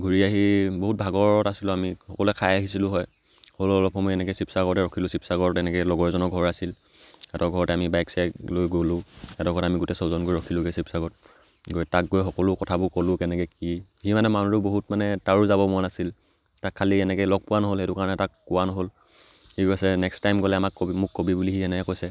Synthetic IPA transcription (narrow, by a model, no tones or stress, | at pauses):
ɡʱuɹiaɦiboɦut̚bʱaɡɔɔtasilʊ̃amixɔkɔluɛkʰajaɦisilʊ̃ɦɔj | holɔlɔpʰɔmɔjɛnɛkojsipsaɡɔɹɔtɛɹɔkʰilʊ̃sipsaɡɔɹtɛnɛkɛjlɔɡɔɹɛzɔnɔɡʱɔɹasil | ɛtɔɡʱɔɹɔtɛamibajksajlojɡolʊ̃ɛtɔɡʱɔɹɔamiɡʊtɛsɔzɔnkoɹiɹɔkʰilʊkesipsaɡɔt̚ | ɡoɹjtak̚ɡojxɔkɔlʊkɔtʰabʊkɔlʊkɛnɛkɛkihimanɛmanuɹʊboɦutmanɛtaɹuzabɔmɔjnasil | takʰːaliɛnɛkɛlɔɡ̚pʊwanɔɦolɛtʊkaɹɔnɛtakːʊwanɔɦol | hikojsɛnɛkstajmɡɔlɛamakkobimʊkːobibulixiɛnɛkɛkojsɛ